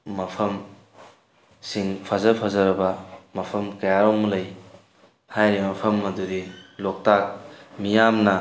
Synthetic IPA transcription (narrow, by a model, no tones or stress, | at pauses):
mɐpʰɐm | siŋpʰazɐpʰazɐɾɐbɐmɐpʰɐmkɐjaɾomlɐj | hajɾimɐpʰɐmːɐdudilok̚tak̚mijamnɐ